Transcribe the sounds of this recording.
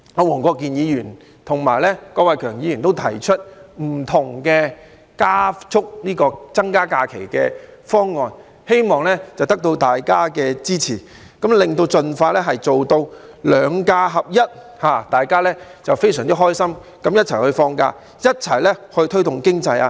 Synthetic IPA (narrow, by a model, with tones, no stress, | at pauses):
ɔː˨˧wɔː˨˩ŋkɔː˧kːiː˨njiː˨˧jyː˨˩n | t̪ʰʊ˨˩ŋmaː˨˩jlɛ˥kɔː˧kwɐ˨˧jkʰœː˨˩ŋjiː˨˧jy˨˩nt̪o˥wt̪ʰɐ˨˩jt͡ʃʰɵ˥t̚m̩˨˩t̪ʰʊ˨˩ŋkɛː˧ | kaː˥t͡sʰʊ˥k̚niː˥kɔː˧t͡sɐ˥ŋkaː˥kaː˧kʰe˨˩jkɛ̰ː˧fɔː˥ŋːɔː˨n | he˥jmɔː˨ŋlɛ˥t͡sɐ˨˩wt̪ɐ˥k̚t̪o˧wt̪aː˨˩jkaː˥kɛː˧t͡siː˥t͡sʰiː˨˩ | kɐ˨˥mlɪ˨ŋt̪o˧wt͡sɵ˧nfaː˧lɛ˥ɦɐ˨jt͡so˨wt̪o˧wlœː˨˧˥ŋkaː˧ɦɐ˨p̚jɐ˥t̚ | haː˨t̪aː˨jkaː˥lɛ˥t͡sɐ˨wfe˥jsœː˨˩ŋt͡si˥ɦɔː˥jsɐ˥m | kɐ˨˥mjɐ˥t̚t͡sʰɐ˨˩jhɵ˧ɥfɔː˧ŋka̰ː˧ | jɐ˥t̚t͡sʰɐ˨˩jlɛ˥hɵ˧ɥt̪ʰɵ˥ɥt̪ʊ˨˩ŋkɪ˥ŋt͡sɐ˧ja̰ː˧